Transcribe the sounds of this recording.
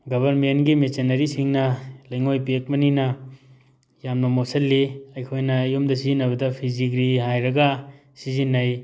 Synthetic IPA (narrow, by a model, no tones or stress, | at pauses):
ɡɐbʱɐɾmentɡimet͡ʃenɐɾisiŋnɐlɐjŋojpek̚mɐninɐ | jamnɐmosɐlːiɐjkʰojnɐːjomdɐsizinːɐβɐdɐpʰiziɡɾihajɾɐɡɐ | sizinːɐj